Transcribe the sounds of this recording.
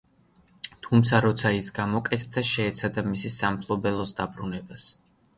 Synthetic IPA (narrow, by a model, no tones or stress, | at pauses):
t̪ʰumt̪sʰaɾɔt̪sʰaisɡamɔkʼɛt̪ʰd̪aʃɛːt̪sʰad̪amisisampʰlˠɔbɛlˠɔsd̪abɾunɛbas